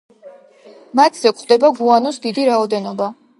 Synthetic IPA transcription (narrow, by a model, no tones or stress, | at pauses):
mat̪ʰz̥ɛkχwd̪ɛbaɡuanɔsd̪id̪iɾaɔd̪ɛnɔba